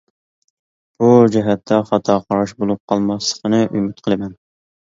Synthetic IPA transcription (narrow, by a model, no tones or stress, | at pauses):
b̥ud͡ʒɛɦɛt̪ʰːɛχɑt̪ʰɑqʰɑɾɑʃbolˠup̚qʰɑlˠmɑslˠəqʰənɨʔymyt̪qʰəlˠɨmɛn